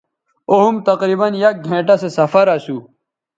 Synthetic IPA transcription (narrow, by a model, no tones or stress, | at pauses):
oɦumt̪ɐqɾiːbɐnjɐk̚ɡʱẽːʈasesɐfɐɾasuː